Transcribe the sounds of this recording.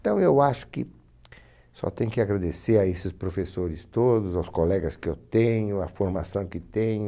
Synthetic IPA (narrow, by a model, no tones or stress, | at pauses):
t̪ɐ̃w̃ewaʃʊ̥kɪ | sɔ̰t̪ẽj̃ʊkɪaɡɾad̪eseɾaesɪspɾofesoɾɪst̪od̪ʊzawskolɛɡɐskɪewt̪ẽɲʊɐfoɾmasɐ̃w̃kɪt̪ẽɲʊ